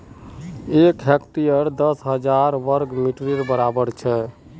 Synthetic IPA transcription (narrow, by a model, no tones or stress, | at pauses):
ekɦɛkʈijəɾd̪əsɦəd͡ʒaɾʋəɾɡmiʈɾiɾbəɾabəɾt͡ʃʰɛ